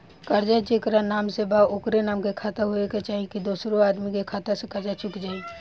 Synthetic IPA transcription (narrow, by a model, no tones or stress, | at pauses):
kəɾd͡ʒat͡ʃeːkɾanaːmsebaʊkɾenaːmkekʰaːt̪aɦoeket͡ʃaːɦikid̪oːsɾoaːd̪mikekʰaːt̪əsekəɾd͡ʒat͡ʃʊkd͡ʒaːi